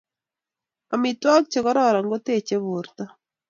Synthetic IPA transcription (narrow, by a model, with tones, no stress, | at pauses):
a˨mi˨twa˦k̚t͡ʃe˨ɣɔ˦ɾɔ˦ɾa˨ŋɡo˦te˦˨t͡ʃe˦βu˨ɾta˦